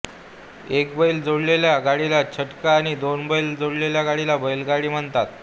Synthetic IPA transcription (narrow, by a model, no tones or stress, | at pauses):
ekbəild͡zoɽleljaɡaɽilat͡ɕʰəʈkaːñid̪onbəild͡zoɽleljaɡaɽilabəjlɡaɽiːm̤əɳt̪at̪